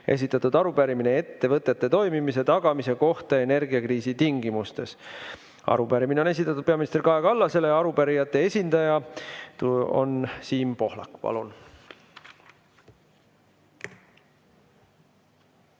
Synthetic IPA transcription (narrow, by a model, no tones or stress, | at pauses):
es̬it̪ːˑɑt̪ːud̪̥ɑɾupæɾiminee̞t̪ːe̞vɤt̪ːˑe̞t̪ːe̞t̪o̞jmimis̬e̞t̪ɑɡ̥ɑmise̞ko̞ht̪ɑe̞ne̞rɡiɑkriːsit̪iŋɡimust̪e̞s | ɑ̰ɾupæɾimineone̞s̬ʲit̪ːˑɑt̪ːˑud̪̚pe̞ɑminist̪erkɑeɡɑlːɑse̞lejɑɾupæɾijɑt̪ːˑe̞e̞sʲind̪̥ɑjɑt̪o̞̰nsiːmpo̞hlɑ̰kːpɑ̰lun